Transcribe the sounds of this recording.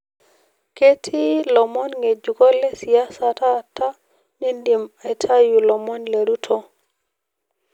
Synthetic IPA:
ke˦tʰi˦lɔ˨mɔ˦nŋe˨d͡ʒu˨kɔ˦lɛ˦si˨a˦sa˨ta˦˨ta˦ | mi˦ndi˨me˨tʰa˦ju˨lɔ˨mɔ˦nle˨ɾu˦tʰɔ˦

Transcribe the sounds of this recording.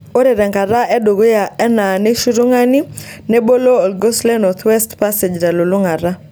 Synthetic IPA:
o˦ɾe˨ɾɛ˨ŋka˨ɾa˦ʔɛ˦do˨ɡo˦ja˨ɛ˦na˨ne˦ʃu˦ɾu˦ŋa˦ni˦ne˦bo˦lo˦ɔ˨lɡo˦slɛ˦nɔ˨t̪ʰwɛ˦stpa˦se˨d͡ʒɾa˨lo˨lu˦ŋa˨ɾa˦

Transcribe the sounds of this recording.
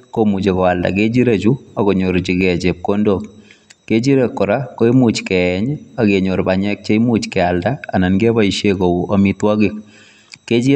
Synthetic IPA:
komu˨t͡ʃe˨kɔ˨a˨lda̰˨ket͡ʃi˦ɾe˦t͡ʃu˦a˨kɔ˨ɲo˨ɾt͡ʃɪ˨kɛ˨t͡ʃe˨p̚ko˦ndo˦k | ke˦t͡ʃi˦ɾe˦˨kːɔ˨ɾa˦ko˦i˦mu˨t͡ʃkɛɲa˨ke˨ɲo˨ɾba˨ɲɛ˦k̚t͡ʃe˦i˦mu˦t͡ʃkɛ˨a˨ldaː˦˨na˨nɡe˦ba˦i˨ʃe˦ko˨a˨mitwa˦kɪ˦k | kːe˦t͡ʃi˦

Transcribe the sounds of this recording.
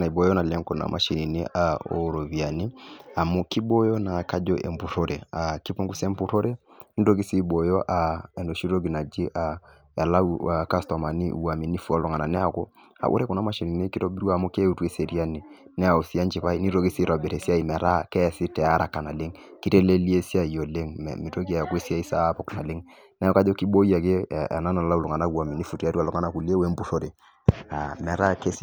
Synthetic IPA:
na˨i˨bo˨jɔ˦na˨lɛ˦ŋkɔ˨na̰˨˦mʔa̰˨ʃi˨ni˨ne˦ʔa˨o̰˨ɾo˨βi˨a˨ni˦a˨mɔ˦ki˦bo˦jɔ˦na˨ka˦d͡ʒɔ˦ʔḛ˨mbu˨ɾo˦ɾʔe˨a˨ki˦po˦ŋɡu˦se˦mpu˦to˦ɾe˦ni˦do˦ɡi˦si˦bo˨jɔ˦ʔa˨ɛ˨ndo˨ʃi˦ɾo˦ɡi˨na˨d͡ʒi˦ʔa˨ | ja˨la˦ua˨ka˦stɔ˨ma˨ni˦ʔṵ˦wa˨mi˨ni˦fu˦a˦lɔ˨ŋa˨na˨nɛ˦a˨kɔ˦ | a̰˨ʔṵ˦ɾɛ˦kɔ˨na˦ma˦˨ʃi˨ni˨ne˦ki˦to˦bi˦ɾu˦a˨mo˦ke˦u˦tu˦e˦se˨ɾi˦a˦ni˨nɛ˦a˨u˨si˦a˦nt͡ʃi˨pa˦i˦ni˦ɾo˦ɡi˦si˦ɾa˨be˨ɾe˨si˦a˦i˨mɛ˨ɾa˦kɛ˦˨sɪ˦tɛ˨a˦ɾa˨ka˨na˨le˦ŋki˦ɾe˦le˦li˦e˦si˦a˦˨jo˨le˦ŋ̰˨mi˨ɾo˦ɡi˦a˨ja˨kwe˦si˦a˦i˦sa˦pɔ˨kna˨lɪ˦ŋ | na˦ɔ˦ka˦d͡ʒo˦ki˦bo˦ja˨ke˦˨a̰˨na˦na˨la˦u˨lu˨ŋa˨na˦u˦wa˨mi˨ni˦fu˨ta˨˦ɾu˦a˨lu˨ŋa˦na˨ku˨li˦e˦we˦m˦bu˦so˦ɾe˨ | a˨mɛ˨ɾa˦ke˦s

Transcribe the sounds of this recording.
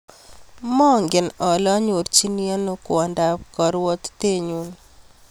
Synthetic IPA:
mɔ˦ŋɡɪ˨nɔ˨lɔ˦ɲo˨ɾt͡ʃi˦nia˦no˦kwɔ˨nda˦pkɔ˨ɾwɔ˦t̪te˦ɲu˦n

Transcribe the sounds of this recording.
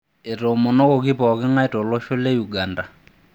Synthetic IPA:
ɪ˨ro˨mʊ˨no˦kʊ˨k̬i˦pʼɔ˨kɪ˦ŋa˦ɪ˦tʼɔ˨lo˦ʃʊ˦le˦ju˨ɡa˨nda˨

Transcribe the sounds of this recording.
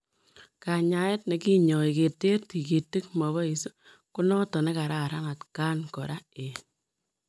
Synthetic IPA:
ka˨ɲa˨e˦t̚ne˨ki˦ɲɔ˨i˨ke˨te˦rti˨ke˨tːi˦k̚mɔ˨βɔ˦i˨su˦ | ku˦nɔ˦tɔ˨ne˦ka˨ɾa˦˨ɾa˦na˨tka˦nkɔ˨ɾa˦e˨

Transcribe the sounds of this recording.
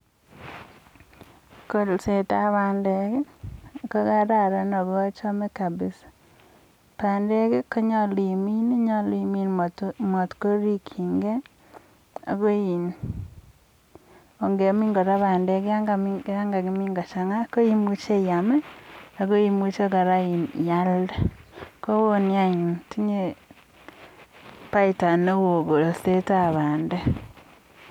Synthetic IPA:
ko˨lse˨ta˦βa˦nde˦ke˦˨ko˦ɣa˦ɾa˦˨ɾa˦no˨βwa˦t͡ʃɔ˦me˦ka˨bɪ˦sḁ | pa˨nde˦ke˦ko˦ɲɔ˦li˨mi˦ni˦ɲɔ˦li˦mi˦nmo˨tko˦ɾi˦kʰi˨ŋɡe˦ | a̰˨ɣo˦i˨n | o˨ŋɡe˨mi˦ŋɡo˨ɾa˦βa˨nde˦ɣe˦a˦ŋɡamiɡɾa˦ŋɡa˨ɣemi˦ŋɡo˨ʃa˨ŋa˦ko˦i˦mu˦t͡ʃe˦i˨a˨me˦aɣo˦imu˦t͡ʃe˦ɣa˨ɾa˦i˨nja˦ldeko˦βo˦ni˦a˦ɲi˨n˨ti˦ɲe˦ | pa˦ita˨ne˦wo˨ɣo˨ɾo˨θe˦taβaː˨nde˦

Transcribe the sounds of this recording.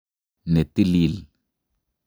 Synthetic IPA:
ne˨t̪ːi˦lil

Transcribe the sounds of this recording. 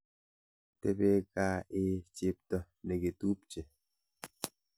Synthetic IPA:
te˦be˦kaː˦e˨˦t͡ʃe˦˨p̚tɔ˨ | ne˨ke˨tu˦p̚t͡ʃe˨

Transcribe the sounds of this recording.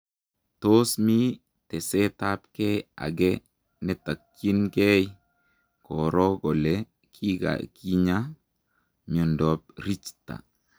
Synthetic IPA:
to˦smi˦ | tɛ˨se˦ta˦pkɛ˦ja̰˨ɡɛ | nɛ˦ta˨kː | i˦nke˦j | kɔ˨ɾɔ˦ɡɔ˨le | kʰi˦ɡa̰˨ki˦ɲa˦ | mjɔ˨ndɔ˨p̚ɾi˦t͡ʃta̰˨

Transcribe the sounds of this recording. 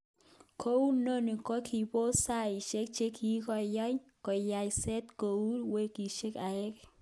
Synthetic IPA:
kʰo˦wu˦no˦ni˨kɔ˦kʰi˨po˦sa˦˨i˨ʃe˦k̚t͡ʃe˦kʰi˦kɔ˨jɔ˦jkɔ˨ja˨jsɛ˦t̪ko˨wu˦ɾwe˦ki˨ʃe˦ka˨e˦k

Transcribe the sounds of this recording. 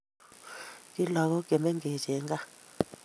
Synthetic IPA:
kʼi˦la˨k̬ɔ˦ɡ̥ɛ˨mɛ˦ŋɡɛ˨d͡ʒɛ˨˦ŋɡa˦

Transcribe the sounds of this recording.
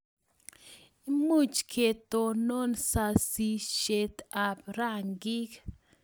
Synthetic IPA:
i˦mu˦˨t͡ʃkʰe˨t̪o˧no˦nsa˧si˧ʃe˧t̪a˨pɾa˦ŋɡi˦k

